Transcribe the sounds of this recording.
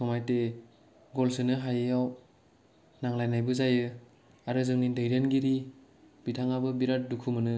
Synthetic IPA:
sʰɔmajte | ɡɔlsɯnɯɦajeaw | naŋlajnajbɯzajɯ | aɾɯzɯŋnidɯjɾanɡiɾi | bitʰaŋabɯbiɾat̚dukʰumɯnɯ

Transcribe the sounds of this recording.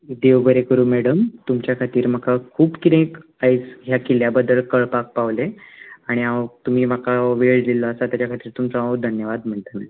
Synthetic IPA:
d̪eʋbəɾekəɾuːmɛɽəmt̪umt͡ɕjakʰat̪iːɾm̤əkʰakʰuːpkit̪ẽk | ajt͡sɦjakiljabəd̪ːəɭkəɭpak̚paʋleaɽ̃iawt̪um̤iːməkaʋeɭd̪iləəsat̪jat͡ɕjakʰat̪iːɾt̪umt͡saad̪ʱənjəʋad̪m̤əɳt̪əni

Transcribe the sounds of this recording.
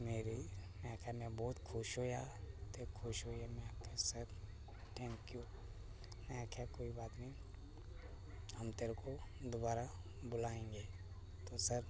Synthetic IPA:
meːɾinɛ̃kʰjamɛ̃bɔːt̪kʰʊʃɦojat̪eːɾkʰʊʃɦoiɛmɛ̃abkesɐt̪ | ʈɛ̃ːŋkju | nɛakʰjakoːibaːt̪nɐɦĩ | ɦɐmt̪eːɾekod̪obaːɾa | bʊlaːẽːŋɡeː | t̪osɐɾ

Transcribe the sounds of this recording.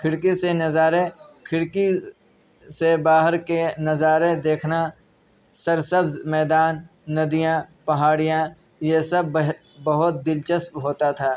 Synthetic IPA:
kʰɪɽkisenɐzaːɾekʰɪɽki | sebaːɦəɾkenɐzaːɾed̪eːkʰna | sɐɾsəbzmɛːd̪aːnː | ɐd̪ijãpɐɦaːɽijã | jesɐbɦ | bɐɦʊt̪̚d̪ɪlt͡ʃəspɦoːt̪at̪ʰaː

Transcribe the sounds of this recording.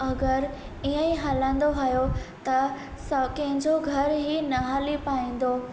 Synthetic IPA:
ɐɡəɾ | iə̃ĩɦaːlə̃n̆d̪oɦajot̪ɐ | sɐkɐ̃ɦɪ̃ɲd͡ʑoɡʱɐɾɦinɐɦaːlipaːĩːn̆d̪oː

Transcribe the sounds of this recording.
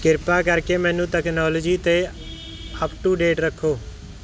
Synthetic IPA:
kɪɾpaːkəɾkeːmɛ̃ːnũːʈɛːknɔːləd͡ʒiːt̪eː | əpʈuːɖeːʈɾəkʰːoː

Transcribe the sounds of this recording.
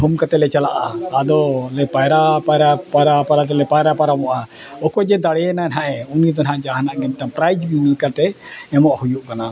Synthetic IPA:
ɦumkat̪ɛlɛt͡ʃalaʔaːd̪ɔlɛpajɾapaɾapaɾapaɾat̪ɛlɛpajɾapaɾamɔʔa | ɔkɔd͡ʒɛd̪aɽɛɛnanɦaʔɛunid̪ɔnɦãʔd͡ʒaɦanaʔɡɛnʈapɾajd͡ʒbimilkaɾt̪ɛɛmɔʔhujuʔkana

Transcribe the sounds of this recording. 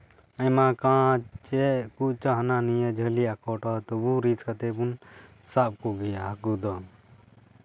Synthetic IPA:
əjmakãt͡ʃɛkuʔt͡ʃaɦnanijəd͡ʒʱəliakɔʈɔt̪ɔbuɾiskat̪ɛbun | sap̚kuɡɛjakud̪ɔ

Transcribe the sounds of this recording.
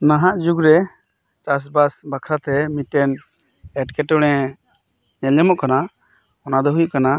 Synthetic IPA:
naɦaʔd͡ʒuɡɾɛ | t͡ʃas̬basbakʰɾat̪ɛmit̪ɛn | ɛʈkɛʈɔɽ̃ɛ | ɲɛlɛmɔʔkana | ɔnad̪ɔɦujuʔkana

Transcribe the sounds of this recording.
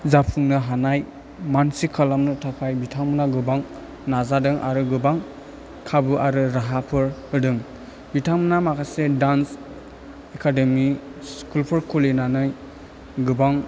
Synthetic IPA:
zapʰuŋnɯɦanaj | mansikʰːalamnɯtʰapʰajbitʰaŋmɯnaɡɯbaŋ | nazadɯŋʔa̰ɾɯɡɯbaŋ | kʰabɯʔaɾɯɾaɦapʰɯɾhɯdɯŋ | bitʰaŋmɯnamakʰasedans | ekʰademiskulpʰɯɾkʰulinanaj | ɡɯbaŋ

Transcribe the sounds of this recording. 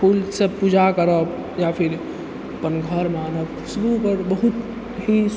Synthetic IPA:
pʰulsepud͡ʒakəɾəb | japʰiɾ | əpənɡʱəɾmanəb | subupəɾbəɦut̪ | ɦis

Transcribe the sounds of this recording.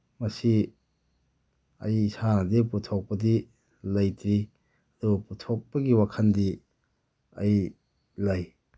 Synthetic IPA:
mɐsi | ɐ̰jisanɐdiputʰok̚pɐdi | lɐjtɾi | ɐduputʰok̚pɐɡiwakʰɐndi | ɐ̰j | laj

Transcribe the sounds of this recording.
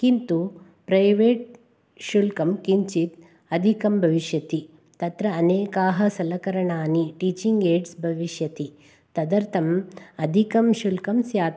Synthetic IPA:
kint̪u | pɾɐjʋeːʈ̚ | ʃulkɐmkiɲt͡ʃit̪̚ | ɐd̪ʱikɐmbʱɐʋiʃjɐt̪i | t̪ɐt̪ɾɐːneːkaːɦɐsɐlɐkɐɾɐɳaːniʈiːt͡ʃiŋɡeːɖsbʱɐʋiʃjɐt̪i | t̪ɐd̪ɐɾt̪ʰɐmɐd̪ʱikɐmʃulkɐmsjaːt̪

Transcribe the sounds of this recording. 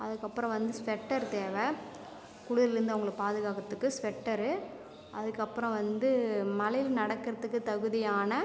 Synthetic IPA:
ɐðɯkːɐpːɯɾɐ̃ʋɐnd̪ɯsʋɛʈːɐɾt̪eːʋe | kʊɽʊðɐlɪɾɯnd̪ɐʋʊŋɡɐɭɯkːpaːðɯɣaːkɐt̪ːɯkːɯsʋɛʈːɐɾɯ | ʔɐ̰ðɯkːɐpːɯɾɐ̃ʋɐnd̪ɯmɐlɐjɪlnɐɽɐkːɪɾɐðɯkːɯt̪ɐɣɯðɪjaːnɐ

